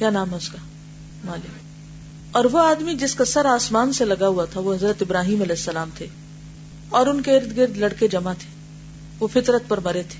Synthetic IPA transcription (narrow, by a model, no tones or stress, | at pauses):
kjaːnaːmɦɛʊskaː | maːlɪk | ɔːɾʋoaːd̪mid͡ʒɪskasɐɾaːsmaːnselɐɡaɦuat̪ʰaʋoɦɐzɾət̪ɪbɾaːɦiːmɐlɛːɪsːɐlaːmt̪ʰe | ɔːɾʊnkeɪɾd̪ɡɪɾd̪lɐɽked͡ʒɐmat̪ʰe̥ | ʋofɪt̪ɾət̪̚pɐɾmɐɾet̪ʰe̥ː